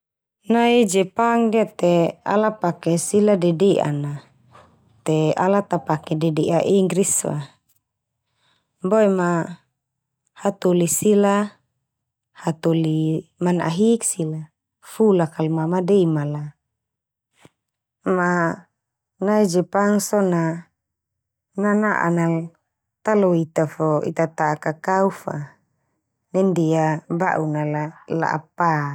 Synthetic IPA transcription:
naid͡ʒɛpaŋdiat̪ɛa̰lapakɛsiladɛdɛʔa̰na | t̪ɛa̰lat̪apakɛdɛdɛʔaʔiŋɡɾiswa̰ | boɛma | hat̪olisila | hat̪olimana̰ɦiksila | fulakalmamadɛmala | ma | naid͡ʒɛpaŋsɔna | nanaʔa̰nal | t̪alɔit̪afɔḭt̪at̪aːkakaufa | nɛndiaba̰ʔunalala̰ʔa̰pa

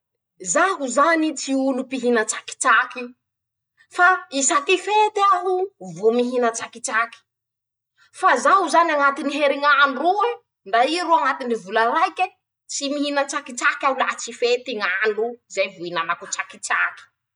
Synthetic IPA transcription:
zaɦuzanit͡siulupiɦinət͡saki̥t͡ʃaki | faisat̪ifet̪iaɦuvomiɦinət͡sakit͡saki̥ | fazaɦuzaniaŋat̪iniɦeɾiŋaɳrua | ɳɖ͡ʐaiɾuaŋat̪inivulaɾajkʲə | t͡simiɦinət͡sakit͡sakʲaulat͡sifet̪iŋanɖ͡ʐuzajvuinanakut͡sakit͡saki̥

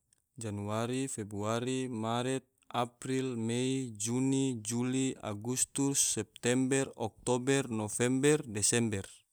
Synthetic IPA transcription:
d͡ʒanuaɾifɛbɾuaɾimaɾɛt̪̚apɾilmɛid͡ʒunid͡ʒulia̰ɡust̪usːɛp̚t̪ɛmbɛrɔk̚t̪ɔbɛrnɔfɛmbɛrdɛsɛmbɛr

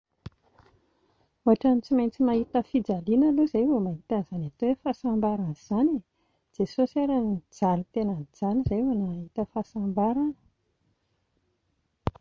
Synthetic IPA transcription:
uaʈ͡ʂanit͡simajnt͡simaɦit̪əfid͡zalinəluzajvomaɦit̪anz̥anat̪oefasambaɾanz̥ani | d͡z̥esosaɾanid͡zalut̪enənd͡zalizajwanaɦit̪əfasambaɾanə̥

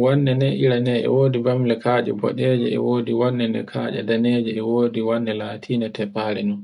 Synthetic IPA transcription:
wɔnːɛnɛʔiɾanɛɛ̰woːdibamlɛkaːd͡ʒɛ̰bɔ̰ɗɛd͡ʒɛɛ̰woːdiwɔnːɛnɛ̰kʰaːd͡ʒa̰daned͡ʒɛɛwoːdiwanːɛlaːtʰiːnatɛpːaːɾɛnun

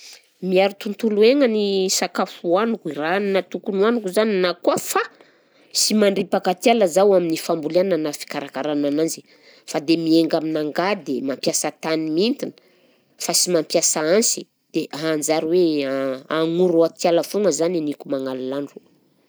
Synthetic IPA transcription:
miaɾit̪unt̪ulueŋənisakafuanukuiɾaninat̪ukunuanukuzaninakuəfa | simaɳɖ͡ʐipakat̪ialəzawaminifambulananafi̥kaɾakaɾanananzi | fad̪emieŋɡaminaŋɡad̪emampjasat̪animiint̪inə̥ | fasimampjasaansi̥ | d̪̥eɦand͡zaɾiwe | aŋuɾuat̪jaləfuŋəzaninikumaŋalalaɳɖ͡ʐu̥

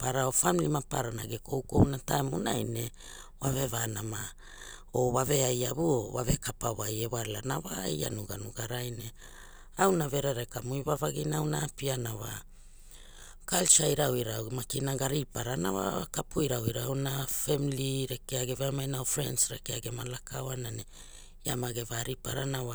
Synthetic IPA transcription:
paɾaofamilimapa̰ɾanaɡeko̞wko̞̰wnatajmona̰jne̞ | wave̞vanama | o̞βave̞ajaβuoβave̞kapawajewalanawaja̰nuɡa̰nuɡaɾajne̞ | awnave̞ɾe̞ɾekamujβavaɡinawnaːpianawa̰ | kalt͡ʃajɾawiɾamakinaɡaɾipaɾanawa̰kapujɾawiɾaawnafemiliɾekeaɡeveamajnaofɾe̞̰nsɾekeaɡe̞malakawanane | jamaɡevaɾipa̰ɾanawa

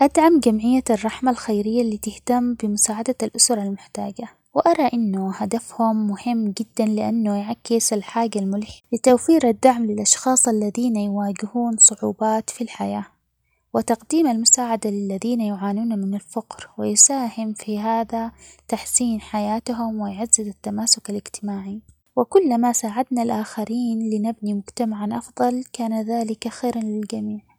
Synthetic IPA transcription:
ʔad̪ʕamɡamʕɪjːarˤːɑħmalxajɾɪjːalːiːt̪ɪht̪amːbɪmʊsaːʕad̪alʔʊsɾˤɑlmʊħt̪aːɡa | wɪʔɑɾˤɑʔɪnːʊhad̪afhʊmːʊhɪmːɡɪd̪ːanlɪʔanːʊjʕakːɪsalħaːɡalmʊlħɪlɪt̪awfiːɾʔad̪ːaʕmlɪlʔɑʃxɑːsˤʔalːaðiːnajwaːɡɪhuːnsˤʊʕuːbaːt̪filħajaː | wɪt̪ɑqd̪iːmalmʊsaːʕad̪alɪlːaðiːnajʊʕaːnuːnamɪnalfaqɾwɪjsaːhɪmfiɦaːðat̪aħsiːnħajaːt̪aɦʊmwɪjʕazːɪzat̪ːamaːsʊkalɪɡt̪ɪmaːʕi | wɪkʊlːmasaːʕad̪nalʔaːxaɾiːnlɪnabnimʊɡt̪amaʕanʔɑfðˤɑlkaːnaðaːlɪkʔaxiːɾanlɪld͡ʒamiːʕ

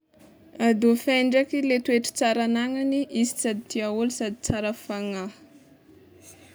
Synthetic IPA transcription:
ad̪ufajɳɖ͡ʐakilet̪ueʈ͡ʂi̥t͡saɾanaŋaniʔisi̥sad̪it̪iaulisad̪i̥t͡saɾəfaŋa

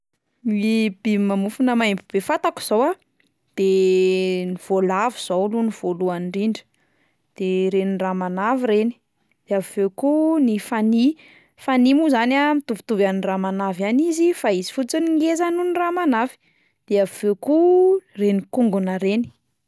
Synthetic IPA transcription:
mib̥imamufunəmajmbib̥efat̪aku̥z̥owa | d̪̥e | niv̥olaviz̥owluniv̥oluanɖ͡ʐiɳɖ͡ʐi̥ | d̪̥eɾeninramanavireni̥ | d̪̥eavivewkunifani | fanimuzanamit̪uvit̪uvaniramanavanizifaizi̥fut͡siniŋɡezanuniramanavi̥ | d̪̥eavvekurenikuŋɡunəɾeni̥

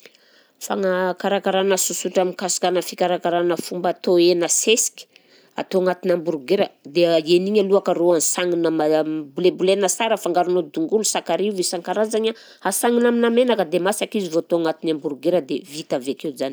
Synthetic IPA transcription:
fa̰ŋakaɾakaɾanəsusuʈ͡ʂamikasu̥kanəfikaɾakaɾanəfumbat̪oenəsesi̥kʲi̥ | a̰t̪oaŋat̪inambuɾuɡeɾəd̪eeniɲaluakəɾoansaŋinəmabulebulenəsaɾəfaŋɡaɾunod̪uŋɡulusakaɾivisaŋkaɾazaɲa | asaŋinaminamenakəd̪emasakizivoat̪oaŋat̪inambuɾuɡeɾəd̪evit̪aveakeuzani

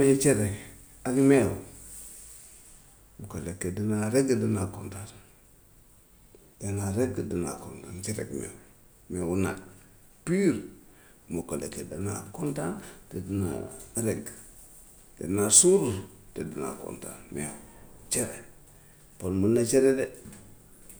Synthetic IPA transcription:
met͡ʃeɾe | akme | mukolekːedinaɾeɡədinakontan | danaɾeɡdina̰kontant͡ʃeɾḛɡmḛ | mewuna̰d | piɾ | mukolḛkedana̰kontantedina̰ɾeɡ | dḛnasuɾ | tedina̰ko̰nta̰nmḛwt͡ʃeɾe | polmunat͡ʃeɾede

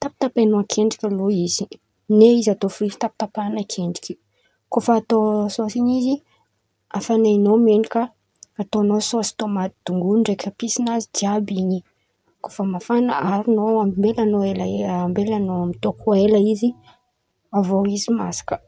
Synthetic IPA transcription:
t̪api̥t̪apenuakʰeɳɖ͡ʐikʲaluiz̥i | neizat̪ofuizi̥t̪api̥t̪apanakʰeɳɖ͡ʐi̥ki̥ | kofaːt̪ososiɲizi | afaneinomeɳɖ͡ʐikʲa | at̪onososi̥t̪omat̪id̪̥uŋɡunɳɖ͡ʐekʲəpisinazid̪iabiɲi | kofəmafanaaɾinoamimbelanoelaambelanoamit̪okʰueləizi | avoizimasḁkə̥

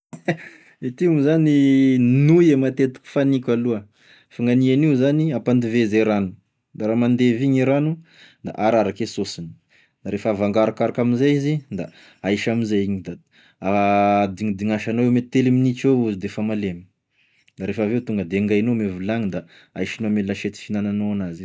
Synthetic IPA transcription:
it̪iumuzaninujemat̪et̪u̥kʲu̥fanikʲaluə | faŋɡanianiuzaniapand̪ivezeɾanu | d̪aɾaːmand̪eviɲiɾanu | d̪a̰ʔaɾaɾakesosini̥ | d̪̥aɾefavaŋɡaɾakaɾakaminzajizid̪a | aiʃaminzaiɲid̪a | ad̪iŋd̪iŋaʃanowewmet̪eliminit͡ʃouzid̪efamalemi | d̪aɾefavewt̪uŋɡəd̪eŋɡajnomevulaŋid̪a | ajʃinoamellaʃet̪i̥finananoanaziz

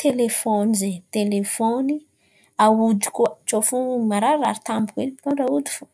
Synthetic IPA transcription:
t̪ʰelefonizet̪elefoni | aud̪i̥kuət͡ʃofumaɾaraɾit̪ambukweniit̪oɖ͡ʐaud̪i̥fu

